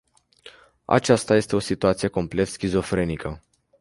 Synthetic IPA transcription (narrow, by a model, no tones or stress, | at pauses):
a̰t͡ʃast̪aje̞st̪e̞o̞sit̪uat̪sije̞ko̞mple̞t̪skʲizo̞fɾe̞nikə